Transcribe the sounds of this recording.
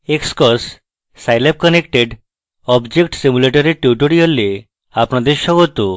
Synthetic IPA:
ekskɔsː | ajlap̚kɔnekʈeɖ | ɔbd͡ʑekʈsimuleʈɔɾiʈjuʈoɽiɔle | apnɔd̪eʃɔɡɔt̪u

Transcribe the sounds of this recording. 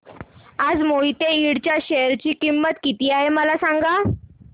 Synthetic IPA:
ad͡zmoit̪eiɽt͡ɕjaɕejəɾt͡ɕiːkimːət̪kit̪iːaɦeməlasaŋɡa

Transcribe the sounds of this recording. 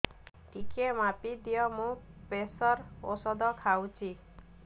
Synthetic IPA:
ʈikemapid̪ijɔmũpesɔɾosɔd̪ɔkʰawt͡ʃʰi

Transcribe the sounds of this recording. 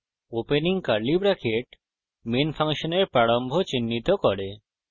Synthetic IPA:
openiŋkaɾlibɾakʰeʈ | menfʰaŋʃoneɾpɾaɽombʱot͡ɕinːit̪okoɾe

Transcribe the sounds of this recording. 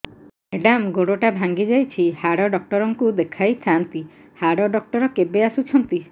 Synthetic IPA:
eɖamɡoɽoʈabʱaŋɡid͡ʒajt͡ʃʰihaɽɔɖɔk̚ʈɔɾɔŋkud̪ekʰajt̪ʰant̪i | haɽɔɖɔk̚ʈɔɾɔkebeasut͡ʃʰɔnt̪i

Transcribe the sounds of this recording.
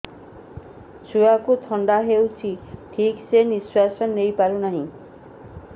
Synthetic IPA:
t͡ʃʰuakut̪ʰɔɳɖaɦewt͡ʃʰiʈʰikseniswasɔnːejpaɾunaɦĩ

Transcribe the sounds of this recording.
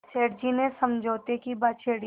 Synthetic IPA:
t͡ʃeːɽd͡ʒinesɐ̃md͡ʒʱoːt̪ekibaːt͡ʃʰeːɽ

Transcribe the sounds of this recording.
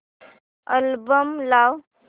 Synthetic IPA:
əlbəmlaw

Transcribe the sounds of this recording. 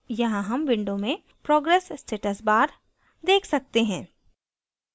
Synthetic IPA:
jɐɦãɦɐmʋɪ̃ɳɖõmẽ | pɾɔːɡɾɛːssːʈeːʈəsbaːɾ | d̪eːkʰsɐk̚t̪eɦɛ̃ː

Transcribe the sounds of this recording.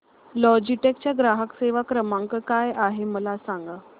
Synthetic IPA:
lɔd͡ʑiʈek̚t͡ɕjaɡɾaɦəkseʋakɾəmãŋkəkajaɦeməlasaŋɡa

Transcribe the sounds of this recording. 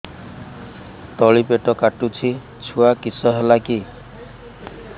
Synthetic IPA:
t̪ɔɭipeʈɔkaʈːut͡sʰi | t͡sʰuakisɔɦelaki

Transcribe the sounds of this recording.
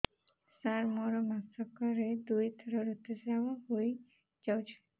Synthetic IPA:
saɾmɔɾomasɔkɔɾed̪ujt̪ʰɔɾɔɾut̪ed͡ʒaaɦoj | d͡ʒawt͡ʃʰi̥

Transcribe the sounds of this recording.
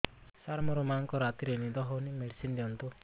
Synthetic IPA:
saɾmɔɾɔmaŋkɔɾat̪iɾenid̪ɔɦɔwnimeɽsind̪iɔnt̪ɔ

